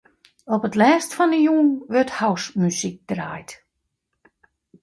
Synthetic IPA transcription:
ɔpətlɛːstfɔnəjuːŋʋʏrthawsmysik̚d̥raːjt

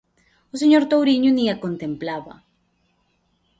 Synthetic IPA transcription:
os̬eɲo̞ɾt̪owɾiɲuniako̞nt̪e̞mplaβa̰

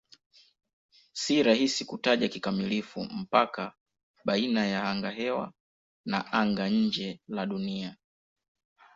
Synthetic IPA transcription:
siɾahisikutaʄakikamilifṵm̩paka | ɓainajahaŋɡaɦɛwa̰ | naʔaŋɡaɲ̩d͡ʒɛlaɗunia

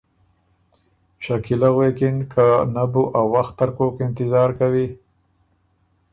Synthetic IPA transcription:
ʃakilaɣwekɪnkʰanabuʔawːaxt̪ːaɾkokɪnt̪ɪzɑːɾkawi

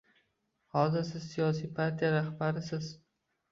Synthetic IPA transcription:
hɒzɪɾsɪzsijɒsijpʰaɾt̪ʰijaɾahbaɾɪsɪz̥

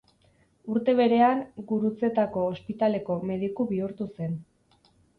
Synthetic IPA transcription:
uɾt̪e̞β̞e̞ɾe̞aŋɡuɾut͡se̞t̪ako̞ːspit̪ale̞ko̞me̞ð̞ikuβiuɾt̪use̞n

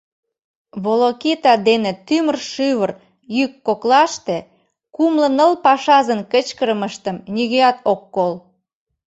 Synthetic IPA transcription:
βolokit̪ɑd̪enĕt̪ymərʃyβər | jykːoklɑʃt̪e | kumlə̆nəlpɑʃɑzənkət͡ɕkəɾəməʃt̪ə̆mnʲiɣøɑt̪okːol

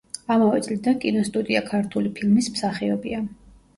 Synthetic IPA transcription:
amavɛt̪sʼlid̪ankʼinɔst̪ʼud̪ʼiakʰaɾt̪ʰulipʰilmismsaχiɔbia

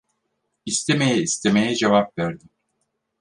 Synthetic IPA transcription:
ist̪ʰemejɛist̪ʰe̞me̞jɛd͡ʒevapvæɾd̪ɪm

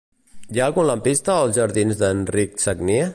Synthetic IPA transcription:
jaɣunləmpist̪əːlˠzʒəɾðinzðənriksəɡnie

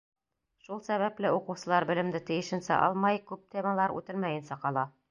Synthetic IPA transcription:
ʃulˠsæβæplɘuqɤ̆wsɤ̆lˠɑɾbɘ̆lɘ̆md̪ɘt̪ɘ̆jɘ̆ʃɘ̆nsæ̰ʔɑ̰lˠmɑjkʉp̚t̪ʲemalˠɑɾʉ̰t̪ɘlmæjɘ̆nsæqɑlˠɑ

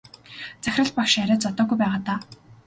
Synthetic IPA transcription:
t͡sæxʲrə̆ɮpakʃaɾʲaːt͡sɔt̪ɔːɡujpæːʁaːt̪aː

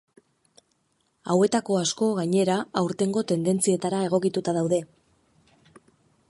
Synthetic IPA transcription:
awe̞t̪ako̞asko̞ɣaɲe̞ɾaawɾt̪e̞ŋɡo̞t̪e̞nd̪e̞nt͡sie̞t̪aɾae̞ɣ̞o̞kit̪ut̪aðawðe̞

